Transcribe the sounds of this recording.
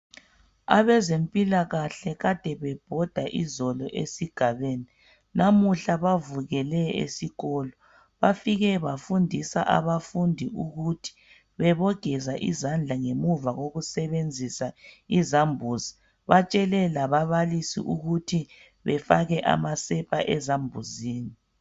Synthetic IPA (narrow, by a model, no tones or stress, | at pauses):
a̰βɛzempʼilaɣaɬɛɣad̥ʱɛβɛb̥ʱɔd̥ʱaʔizɔlɔʔḛsiɡ̥ʱaβeːni | namuɬaβavuɣɛlɛḛsiɣɔːlɔ | βafiɣɛβafundʱisaʔa̰βafundʱiuɣutʰi̥ | βɛβɔɡ̥ʱɛzaʔizand͡ɮʱaŋemuvaɣoɣusɛβend͡zʱisaizambʱuzi | βat͡ʃʼɛlɛlaβaβalisḭʔuɣutʰi | βɛfaɣɛʔa̰masɛpʰaʔɛzambʱuziːni